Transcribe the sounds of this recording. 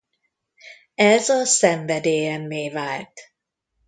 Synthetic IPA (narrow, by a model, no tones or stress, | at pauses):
ɛzɒsɛɱvɛd̪eːjɛmːeːvaːlt̪